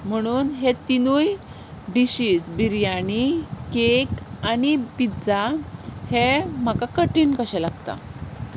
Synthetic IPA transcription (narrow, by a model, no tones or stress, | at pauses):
m̤əɽ̃uːnɦet̪inuːj | ɖiɕiːsbiɾjañikekanipid͡zahem̤akakəʈiːnkəɕɛlaɡt̪a̰